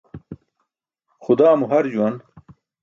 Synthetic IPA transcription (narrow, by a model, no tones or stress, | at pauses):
xʊd̪aːmuɦɐɾd͡ʑuwɐn